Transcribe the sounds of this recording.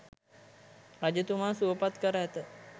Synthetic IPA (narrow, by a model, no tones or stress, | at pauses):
ad͡ʒət̪umaːsuəpat̪kəɾəɦæt̪ə